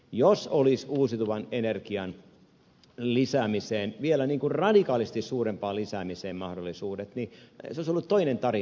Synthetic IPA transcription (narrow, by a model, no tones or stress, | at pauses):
josolisuːsit̪uʋɑnenerkiɑn | lisæːmiseːnʋielæniːŋkurrɑdikɑːliset̪issuːrempɑːlisæːmiseːmmɑhdolːˑisuːdet̪niseoisolːut̪toinent̪ɑri